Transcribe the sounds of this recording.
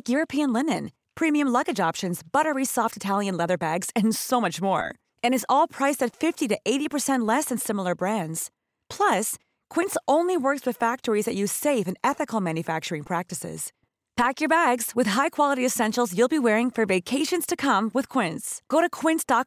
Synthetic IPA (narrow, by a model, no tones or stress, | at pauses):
kjʊɹɨpʰiɨ̃nlɪnɨ̰̃n | pʰɹ̥ĩmiɨ̃mlʌɡɨd͡ʒɑpʃɨ̃nzbʌɾə˞isɔftɨtʰælˠjɨ̃nlɛðə˞bæɡz̥ɨ̃nsoʊmʌt͡ʃmɔ̰ɹ | ɨ̃ñɨzɔlˠpʰɹ̥aɪsɨtfɪftiɾɨʔeɪɾipʰə˞sɛ̃nʔˡlɛsɨ̃nsɪ̃ml̩ˠə˞bɹæ̃ndz̥ | pʰl̥ʌs | kʰw̥ɪ̃ntsõʊ̃nliwɜ˞kswɨð̥fæk̚tə˞izðɨʔjʉz̥seɪfɨ̃nɛθɨkl̩ˠmæ̃njɨfæk̚t͡ʃə˞ɪ̃ŋpʰɹ̥æk̚tɨsɪ̰z̥ | pʰækjə˞bæɡz̥wɨð̥ɦaɪkʰw̥ɑlˠəɾiɨsɛ̃nʃl̩ˠzjʉlˠbiwɛɹɪ̃ŋfə˞veɪkʰeɪʃɨ̃nz̥tʰɨkʰʌ̃mwɨð̥kʰw̥ɪ̃ntsɡ̥oʊɾɨkʰw̥ɪ̃ntsd̥ɑ